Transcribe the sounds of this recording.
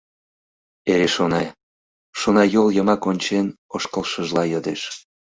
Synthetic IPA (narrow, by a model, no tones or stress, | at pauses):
eɾeʃonɑ | ʃonɑjoljə̆mɑkonʲt͡ɕenoʃkəlʃəʒlɑjəd̪eʃ